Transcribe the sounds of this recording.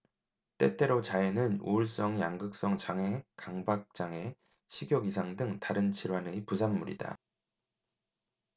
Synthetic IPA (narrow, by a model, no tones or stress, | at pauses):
t͈e̞t͈ʰe̞ɾot͡ɕaenɯnṵuɭs͈ʌŋjaŋɡɯk̚s͈ʌŋt͡ɕaŋe̞kaŋbak̚t͡ɕ͈aŋe̞ | ɕʰiɡjʌɡis̬ʰaŋdɯŋtaɾɯnt͡ɕiɾwanɯpusʰamːuɾḭda̰